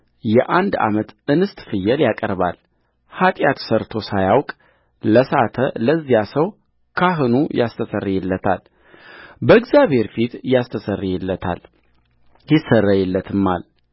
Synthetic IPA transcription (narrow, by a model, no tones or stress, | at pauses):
jɛʔand̪a̰mət̪ɨnɨst̪ʼfɨjːɛljakʼə̰ɾba̰l | hat̪ʼjat̪səɾt̪ʰo̞sajawkʼ | ləsat̪ʰələzːijasəw | kʰaɦɨnujast̪ʰəsərːijɛlːət̪ʰal | bəɨɡzaβhe̞ɾfit̪jast̪ʰəsərːijɛlːət̪ʰa̰l | jɪsːərːəjɛlːət̪ʰɨmːal